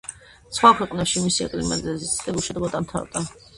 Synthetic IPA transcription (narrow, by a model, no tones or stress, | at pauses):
sχwakʰwɛqʼnaʃimisiɛ̰kʼlima̰d̪zlɛzit̪sʰt̪ʼɛlˠuʃɛd̪ɡɔd̪amt̪ʰa̰ɾd̪a